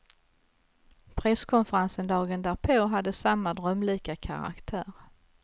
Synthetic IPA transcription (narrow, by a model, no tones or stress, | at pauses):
pʰɾɛskʰɔnfəɾansənd̪ɑːɡənd̪æːɾpʰoːɦad̪ːəsamːad̪ɾœmliːkakʰa̰ɾa̰kt̪ʰæːɾ